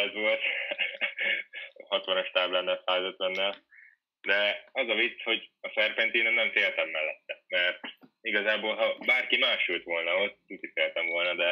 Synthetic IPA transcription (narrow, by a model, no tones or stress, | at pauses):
ɛzʋo̞lt̪ | hɒt̪ʋɒnoʃt̪aːblɛnːɛlsaːzœt̪lɛnːɛl | d̪ɛɒzɒvit̪sːho̞ɟɒsɛrpent̪iːnɛnnɛɱfeːlt̪ɛmːɛlːɛt̪ːɛmɛrt̪iɡɒzaːboːlɦɒbaːrkimaːʃult̪ʋo̞lnɒot̪ːt̪ut̪ifeːlt̪ɛɱvo̞lnɒd̪ɛ